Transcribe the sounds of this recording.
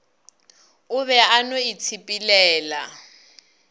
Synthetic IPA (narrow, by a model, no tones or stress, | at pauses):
ʊβɛanoit͡sʰipʼilɛːla